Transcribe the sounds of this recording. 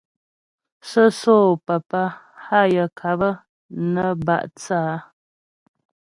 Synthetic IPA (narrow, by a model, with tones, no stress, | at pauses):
sə˦soː˦˨pa˨pa˦ | ha˦jə˨kʰa˨bə˦ | nə˦ba̰˦˨ʔt͡saː˦